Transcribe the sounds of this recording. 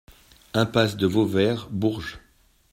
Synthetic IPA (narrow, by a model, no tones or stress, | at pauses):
ɛ̃pasd̪əvovɛʁbuʁʒ